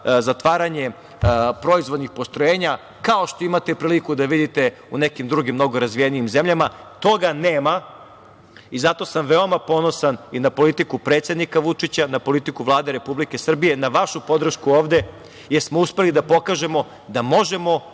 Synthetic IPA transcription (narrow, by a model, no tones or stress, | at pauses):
zat̪ʋaːɾaɲe̞ | pɾo̞izʋo̞d̪nixpost̪ɾoje̞ːɲa | kaoʃt̪oimat̪epɾiːlikud̪aʋid̪it̪e̞ | unekimd̪ɾuɡimːno̞ɡo̞ɾazʋijeniimzemʎamat̪o̞ɡaneːma | izat̪o̞samʋeo̞mapo̞no̞saninapo̞lit̪ikupɾe̞ːt̪sʲe̞d̪nikaʋut͡ʂit͡ɕanapo̞lit̪ikuʋlˠaːd̪eɾe̞publike̞sr̩bije̞naʋaʃupo̞d̪r̩ʃkuoːʋd̪e̞ | jeɾsmouspe̞lid̪apo̞kaʒe̞mo̞ | d̪amo̞ʒe̞mo̞